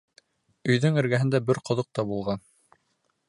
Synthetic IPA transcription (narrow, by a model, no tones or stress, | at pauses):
ɵ̆jðɵŋɘ̆ɾɡæɦɘ̆nd̪æbɘɾqŏðoq̚t̪ɑbulˠʁɑn